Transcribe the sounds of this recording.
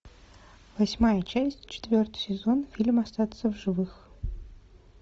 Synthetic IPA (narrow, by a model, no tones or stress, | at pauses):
vɐsʲmajət͡ɕæsʲtʲt͡ɕɪ̥t̪vʲort̪ɨ̥jsʲɪzonfʲilʲmɐst̪at̪səvʐɨvɨx